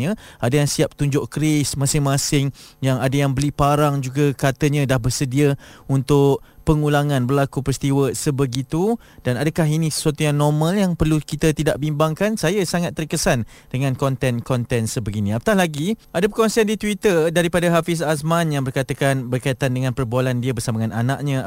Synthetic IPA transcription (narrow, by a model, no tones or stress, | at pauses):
ə̃adajaŋsiap̚t̪uɲd͡ʒʊʔkɾɪsmãsɪŋmãsɪŋjaŋadajaŋbəlipaɾaŋd͡ʒuɡakat̪əɲə̃dahbərsədiaunt̪ʊʔ̚pəŋulaŋãnbərlakupəɾist̪iwəsəbəɡit̪u | d̥anadəkaɦinisə̥suat̪ujaŋnɔrmə̃ljaŋpərlukit̪at̪idaʔbimbaŋkansajasaŋat̪ːərkəsan | dəŋãnkɔnt̪ɛnkɔnt̪ɛnsəbəɡinĩapət̪ahlaɡiʔadəpəkɔnsiandit̪wit̪ərdaɾipadaɦafɪs̬asmanjaŋbərkat̪əkanbərkait̪andəŋãnpərbualandiəbərsaməŋananaʔ̚ɲə̃